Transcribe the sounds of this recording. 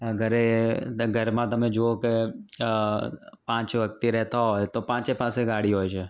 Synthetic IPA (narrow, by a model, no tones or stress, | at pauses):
əɡʱəɾeɡʱəɾmãt̪ɐmẽd͡ʒooke | pãːt͡ʃʋɐk̚t̪iɾɛɦt̪aɦoːet̪opãːt͡ʃepãːseɡaːɽiɦoːet͡ʃʰeː